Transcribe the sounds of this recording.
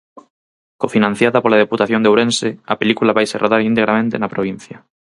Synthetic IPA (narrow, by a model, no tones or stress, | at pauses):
kofinãn̟θjaðapolaðeput̪aθjond̪ewɾẽnseɐpelikulaβajserʔoðaɾint̪eɣɾamẽnt̪ḛnapɾoβ̞in̟θjɐ